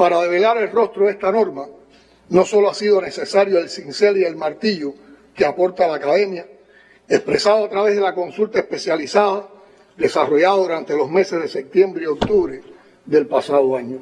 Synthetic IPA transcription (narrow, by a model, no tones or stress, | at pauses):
paɾaðe̞β̞e̞laɾe̞lro̞st̪ɾoðe̞st̪ano̞ɾma | no̞so̞loasiðo̞ne̞se̞saɾjoe̞lsinse̞lie̞lmaɾt̪iʝokeapo̞ɾt̪alaːkaðe̞mja | e̞spɾe̞saðoat̪ɾaβe̞ɦðe̞lako̞nsult̪aehpe̞sjalisaða | ðe̞saro̞ʝaðaðuɾant̪e̞lo̞sme̞sezðe̞se̞p̚t̪je̞mbɾeio̞k̚t̪uβɾe̞ | ðe̞lpasaðoaɲo